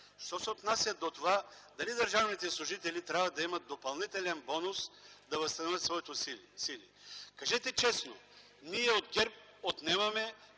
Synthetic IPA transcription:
ʃt̪ɔsɛot̪nasʲjɐd̪ot̪ovad̪ɐlid̪əɾʒavnit̪ɛslˠʊʒit̪ɛlit̪ɾʲabvɐd̪ɐimət̪̚d̪opɐlˠnit̪ɛlɛnbɔnʊsd̪ɐvɐst̪ɐnovət̪svɔit̪osilḭkɐʒɛt̪ɛt͡ʃɛsno | niɛod̪ɡʲɛɾp̚ot̪nɛmɐmɛ

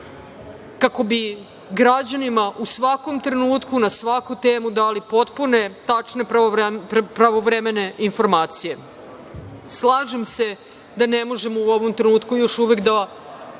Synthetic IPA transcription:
kako̞bi | ɡɾad͡ʑanimaʔusʋako̞mt̪ɾe̞nuːt̪kunasʋakut̪eːmud̪aːlipo̞t̪pune̞t̪at͡ʂne̞ | pɾaʋoʋɾeme̞ne̞info̞ɾmaːt̪sije̞ | slˠaːʒemse̞ | d̪anemo̞ʒe̞mouoʋo̞mt̪ɾenuːt̪kujo̞ʃuʋe̞kd̪a

